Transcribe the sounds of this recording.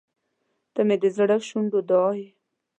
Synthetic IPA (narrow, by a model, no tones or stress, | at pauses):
t̪amed̪əzaɽaʃuɳɖod̪ɑj